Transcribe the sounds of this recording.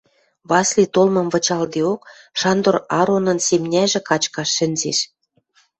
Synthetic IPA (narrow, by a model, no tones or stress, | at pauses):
βɑslʲit̪olmɤ̆mβɤ̆t͡ɕɑld̪eok | ʃɑnd̪orɑɾonə̆nsemnʲæʒĕkɑt͡ɕkɑʃːɘ̆nʲzeʃ